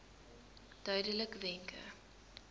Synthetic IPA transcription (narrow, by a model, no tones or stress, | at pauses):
d̥œɥdələkvɛŋkʰə̰